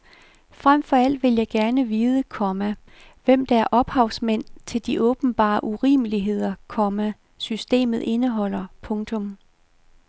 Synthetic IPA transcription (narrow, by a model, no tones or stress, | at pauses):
fʁam̰fɒ̽æl̰d̥ʋe̝ljɑ̈ɪɡ̥æɐnəʋiːð̞ˠəkʰɒ̽mæ | ʋem̰d̥æ̈æɐʔɒ̽b̥hɑ̈ʊsmen̰t͡sʰe̝ld̥iʔɔ̽ːb̥n̩b̥ɑ̰̈ːʔuʁḭːməliɦe̝ð̰ˠɐkʰɒ̽mæ | sysd̥e̝̰ːmð̞̩ˠe̝nəɦɒ̽l̰ɐpʰɔ̽ŋt͡sʰɔ̽m